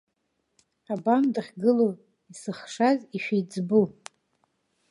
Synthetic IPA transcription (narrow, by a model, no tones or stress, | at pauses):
abamdχʲɡɨlo | isɨχʂaziʃᶣajd͡zbu